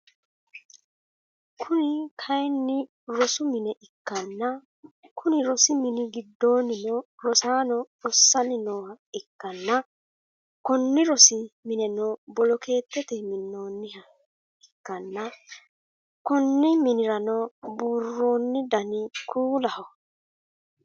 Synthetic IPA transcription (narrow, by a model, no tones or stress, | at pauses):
kʰʊnɪkʰɐjnːɪ | ɾɔsʊmɪnɛʔɪkːɐnːɐ | kʰʊnɪɾɔsɪmɪnɪɡɪd̪ːo̞ːnɪnɔɾɔsaːnɔ | ɔsːɐnɪnɔːhɐ | ɪkːɐnːɐ | kɔnːɪɾɔsɪmɪnɛnɔbɔlɔkʰe̞ːt̪ːɛt̪ɛmɪnːo̞ːnːɪhɐ | ɪkːɐnːɐ | kɔnːɪmɪnɪɾɐnɔbuːrːoːnːɪd̪ɐnɪkʰuːlɐhɔ